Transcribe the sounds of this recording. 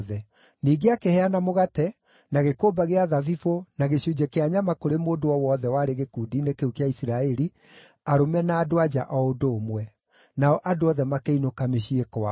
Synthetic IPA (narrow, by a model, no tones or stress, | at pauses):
ðɛ | niːɡeakehɛanamoɣatɛ | naɣekobaɣeaðavifonaɣeɕud͡ʑɛkeaɲamakoɾemoːdoɔwɔːðɛwaːɾeɣekuːdiːnekeukeaisiɾaɛɾi | aɾomɛnaːdoad͡ʑaʔɔodoːmwɛ | naɔʔadoɔðɛmakeinokameɕiekɔa